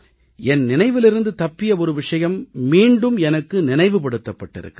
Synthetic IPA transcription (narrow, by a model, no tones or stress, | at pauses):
ɛnnɪnɐɪʋɪlɪɾɯnd̪ɯt̪ɐpːɪjɐɔɾɯʋɪʂɐjɐmːiːɳɖɯmɛnɐkːɯnɪnɐɪʋɯpɐɽɯt̪ːɐpːɐʈːɪ̰ɾɯ̰kːɯ